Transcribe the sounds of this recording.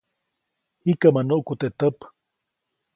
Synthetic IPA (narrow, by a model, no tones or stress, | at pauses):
hikamanoʔkut̪eʔt̪əp